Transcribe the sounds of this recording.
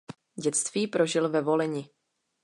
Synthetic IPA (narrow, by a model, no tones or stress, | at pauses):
ɟɛt͡st̪viːpɾo̞ʒɪlvɛvo̞lɛɲɪ